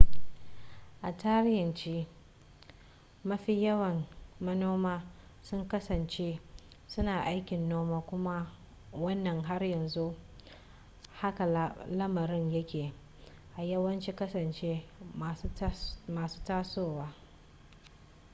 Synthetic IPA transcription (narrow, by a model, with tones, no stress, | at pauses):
ʔa˨taː˦ɽjɪ˨nt͡ʃi˦ | mɐ˦ɸi˦jɐ˦wɐ˨nmɐ˦noː˦maː˦ | sʊ˦ŋkɐ˦sɐ˨nt͡ʃe˦ | sʊ˦naː˨ʔa˦jkʲɪ˨nːoː˦maː˦kʷʊ˦ma˦ | wɐ˦nːɐ˨ŋɦa˦rjɐ˨nzu˦ | ha˦ka˨˦lɐ˦mɐ˨ɾɪ˦ɲjɐ˦kʲeː˨ | ʔa˨jɐ˦wɐ˦nt͡ʃi˦kɐ˦sɐ˨nt͡ʃe˦˨ | maː˨su̥ː˦taː˦soː˦˨waː˦